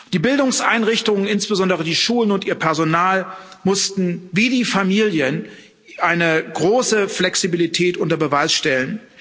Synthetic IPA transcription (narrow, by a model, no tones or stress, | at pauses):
d̥iːbɪldʊŋsʔaɪnʁɪçtʊŋənɪnsb̥əzɔndəʁ̞ədiːʃuːlənʊntiːɐpʰɛɐzonaːlmʊstn̩viːdiːfamiːljən | ʔaɪnəɡʁoːsəflɛksibilitʰɛːtʔʊntɐbəvaɪsʃtɛlən